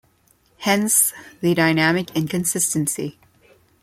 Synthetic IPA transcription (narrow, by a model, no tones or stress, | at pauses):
hɛ̃nsðɨdaɪnæmɨkɪ̃nkɨ̃nsɪstɨ̃nsi